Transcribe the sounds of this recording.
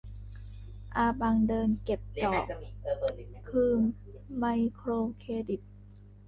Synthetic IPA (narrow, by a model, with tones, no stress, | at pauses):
ʔaː˧baː˧ŋdɤː˧nke˨˩p̚t̪ɔː˨˩ | kʰɯː˧mː | a˧jkʰɾoː˧kʰeː˧di˨˩t̪̚